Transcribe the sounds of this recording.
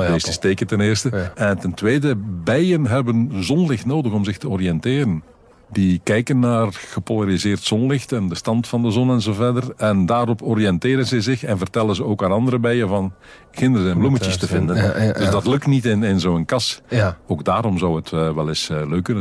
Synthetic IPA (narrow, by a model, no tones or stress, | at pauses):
deːsəsteːkəntɛnɪːrstəɛntɛntweːdəbɛjənɦɛbənzɔnlɪxtnoːdəɣɔmzɪxtəɔriɛntɪːɾən | dikɛjkənːaːrɣ̥əpolaɾizɪːrtsɔnlɪxtɛndəstɑntfɑndəzɔnɛnzoːvɛrdərɛndaːɾɔpʰɔɾiɛntɪːɾənzɛjzɪxɛnvərtɛlənzəoːkaːnɑndəɾəbɛjənvɑn | ɣɪndəɾəzɛmbluməjəstəvɪndəndɵzdɑtlɵk̚tnitɪnɪnzoːənkɑsoːɡ̚daːɾɔmzʌwɦətʋɛlɪsløːkːɵnə